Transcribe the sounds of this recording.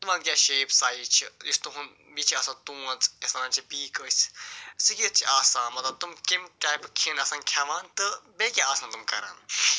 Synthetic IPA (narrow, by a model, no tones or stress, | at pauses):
t̪umɐ̃nkʲaːʃeːpsaːit͡ʃʰiist̪uɦun | bit͡ʃʰiɐsãt̪ũɐ̃nt͡sesãːnt͡ʃʰipiːkəsʲsɨkit͡ʃʰiaːsaːmɐt̪ɐt̪umkimʈaːjpkʰinɐsãːnkʲʰaʋaːnt̪ɨbeːkʲiaːsãːnt̪umkɐɾa̰ːn